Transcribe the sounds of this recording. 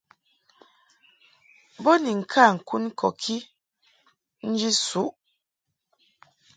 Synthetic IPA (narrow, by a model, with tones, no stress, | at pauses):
bɔ˦ni˨ŋ̩˨kʰa˦˨ŋ̩˨ku˦n˦kʰɔ˨kʰi˦ | n̩˦d͡ʒi˦su˨˦ʔ